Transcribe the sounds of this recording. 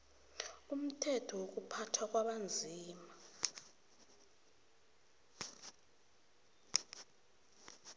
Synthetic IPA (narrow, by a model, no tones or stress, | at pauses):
um̩tʰɛtʰɔwok̬upʰatʰwak̬ʼwaɓand͡zʱiːma